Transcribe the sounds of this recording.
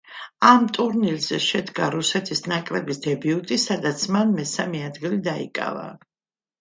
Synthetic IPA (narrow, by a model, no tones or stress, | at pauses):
amt̪ʼuɾnilzɛʃɛd̪ɡaɾusɛt̪ʰisnakʼlɛbisd̪ɛbiut̪ʼisad̪at̪sʰmanmɛsamɛad̪ɡilid̪aḭkʼa̰va̰